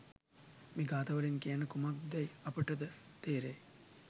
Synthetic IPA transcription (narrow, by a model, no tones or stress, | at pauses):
miːɡaːt̪ɐʋɐɾenkijanəkumakd̪ɐjɐpəʈəd̪ət̪eːɾe